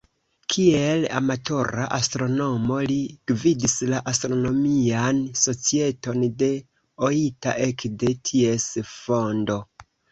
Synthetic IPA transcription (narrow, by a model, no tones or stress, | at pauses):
kʰiela̰matʰo̞ɾaʔastɾo̞no̞mo̞liɡ̥vidislaʔastɾo̞no̞mianso̞t͡sie̞to̞nde̞ | oita̰ʔekde̞tʰie̞sfo̞ndo̞